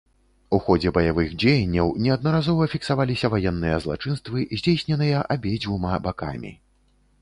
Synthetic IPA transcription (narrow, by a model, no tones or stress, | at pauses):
uxɔd͡zʲɛbɐjavɨxd͡zʲejɛnʲːɐwnʲɛɐd̪̚nɐɾazɔvɐfʲiksavalʲisʲɐvajɛnːɨjɐzlˠa̰t͡ʂɨnst̪vɨzʲd͡zʲejsʲnʲɛnɨjɐʔabʲed͡zʲvumabaka̰mʲḭ